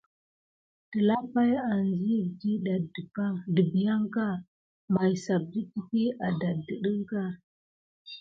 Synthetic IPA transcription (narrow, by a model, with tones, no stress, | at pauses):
tə˨la˦pa˦ja˨nd͡ʒi˦˨di˦ɗa˨ddə˨pa˦də˨bi˨ja˦ŋka˦ | ma˨jsa˨b̚di˦ti˦pi˦a˨da˨ddə˨ɗə˦ŋka˦